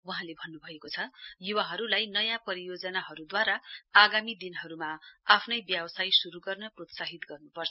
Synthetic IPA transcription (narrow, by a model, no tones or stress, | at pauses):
wʌɦãlebʱʌnːubʱʌekot͡sʰʌjuwaɦʌɾulajnʌjãpʌɾijod͡zʌnaɦʌɾud̪waɾaːɡamid̪inɦʌɾumaapʰnʌjbjabʌsajsuɾuɡʌrnʌprot̪saɦit̪ɡʌrnupʌrt͡sʰʌ